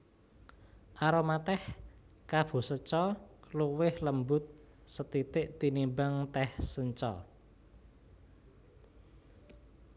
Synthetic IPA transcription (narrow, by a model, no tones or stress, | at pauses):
ʔaɾomat̪ɛh | kab̥ṳsət͡ʃɔkluwɪhləmbʊt̪̚ | sət̪it̪ɪʔt̪inimbaŋt̪ɛhsəɲt͡ʃɔ̰